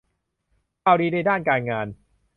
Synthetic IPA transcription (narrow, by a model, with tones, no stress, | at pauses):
kaː˧˩wdiː˧daː˥˩daː˥˩nkaː˧nŋaː˧n